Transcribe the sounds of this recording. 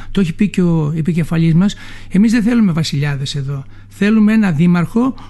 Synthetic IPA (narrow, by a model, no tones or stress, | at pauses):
t̪ooçipiceoepice̞fɐʎizmɐs | e̞mizðeθe̞lume̞vɐsiʎɐðe̞se̞ðo̞ | θe̞lumeenɐðimɐɾxo̞